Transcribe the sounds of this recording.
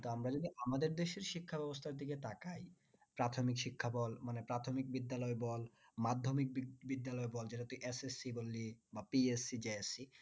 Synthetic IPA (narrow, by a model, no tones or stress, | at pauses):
t̪oamɾad͡ʑod̪iʔamad̪eɾd̪eʃeɾʃikʰːabɛbost̪ʰaɾd̪iket̪akaj | pɾat̪ʰomikʃikʰːabɔlmanepɾat̪ʰomik̚bid̪ːalɔebɔl | mad̪ʱːomik̚bbid̪ːalɔebɔld͡ʑeʈat̪ojʔesesːibolːibapiesid͡ʑeesi